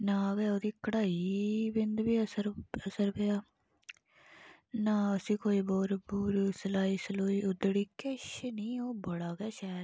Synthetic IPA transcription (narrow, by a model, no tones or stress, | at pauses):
naːɡɛːoːd̪iːkəɽaːiːbɪnd̪biːəsəɾəsəɾpeaː | naːəsĩːkoːiːbɔːɾbuːɾsəlaːiːsəloːiːʊd̪ɽiːkɪʃnĩːoːbəɽaːɡɛːʃaːɾ